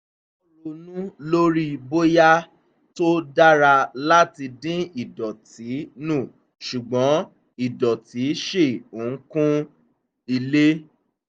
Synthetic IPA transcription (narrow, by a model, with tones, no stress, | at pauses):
o˧nũ˦lo˦ɾi˦bo˦ja˦ | to˦da˦ɾa˧la˦ti˧dĩ˦i˨dɔ˨ti˨˦nũ˦˨ | ʃu˨ɡ͡bɔ̃˨˦ | i˦˨dɔ˨ti˨˦ʃe˦˨o˨ŋ̩˦kũ˦ | i˧le˦